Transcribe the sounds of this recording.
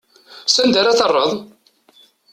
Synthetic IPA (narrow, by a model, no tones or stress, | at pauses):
sænd̪aɾaθərˤːəðˤ